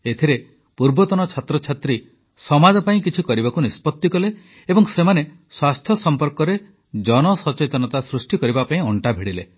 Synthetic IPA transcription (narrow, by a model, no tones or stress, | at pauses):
et̪ʰiɾe | puɾbɔt̪ɔnɔt͡ʃʰat̪ɾɔt͡ʃʰat̪ɾi | sɔmad͡ʒɔpaĩk̬it͡ʃʰikɔɾibakunispɔt̪ːikɔle | ebɔŋsemane | swast̪ʰjɔsɔmpɔɾkɔɾe | d͡ʒɔnɔsɔt͡ʃet̪ɔnɔt̪asɾusʈikɔɾibapaĩɔɳʈabʱiɽilḛ